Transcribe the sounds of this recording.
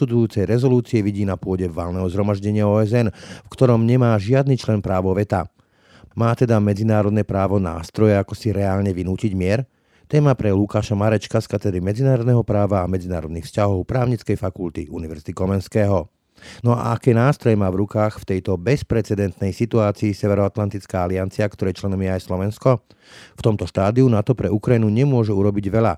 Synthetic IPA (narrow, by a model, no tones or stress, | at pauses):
t̪ud̪ujuːt͡sɛjɾɛzɔluːt͡siɛʋiɟiːnapʊɔɟɛʋalnɛɦɔzɦɾɔmaʒɟɛɲɪaɔːɛzɛnfkt̪ɔɾɔmɲɛmaːʒɪad̪niːt͡ʃlɛnpɾaːʋɔʋɛt̪a | maːt̪ɛd̪amɛd͡zinaːɾɔd̪nɛpɾaːʋɔna̰ːst̪ɾɔjɛakɔsiɾɛaːlɲɛʋinuːciɟmɪɛɾ | t̪ɛːmapɾɛlukaːʃamaɾɛt͡ʃkaskat̪ɛd̪ɾimɛd͡zinaːɾɔd̪nɛɦɔpɾaːʋaːmɛd͡zina̰ːɾɔd̪nixfscaɦɔʊpɾaːʊɲit͡skɛjfakult̪ḭʔuniʋɛɾz̥it̪ikɔmɛnskɛːɦɔ | nɔa̰akɛːnaːst̪ɾɔjɛmaːvɾukaːxft̪ɛjt̪ɔbɛspɾɛt͡sɛd̪ɛnt̪nɛjsit̪uaːt͡siːsɛʋɛɾɔat̪lant̪it͡skaːaliant͡siakt̪ɔɾɛjt͡ʃlɛnɔmjɛajslɔʋɛnskɔ | ft̪ɔmt̪ɔʃt̪aːd̪iunat̪ɔpɾɛukɾajinuɲɛmʊɔʒɛuɾɔbiɟʋɛʎa